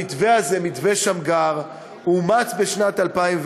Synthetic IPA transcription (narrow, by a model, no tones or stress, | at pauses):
it̪ve̞aze̞mit̪veʃamɡaʁ | umat͡sbe̞ʃnat̪alpaimv